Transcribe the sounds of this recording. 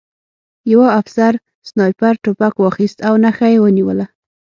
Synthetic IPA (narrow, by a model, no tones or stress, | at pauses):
jawaafsaɾ | snɑjpaɾʈopakwɑxist̪awnaxajewəniwəla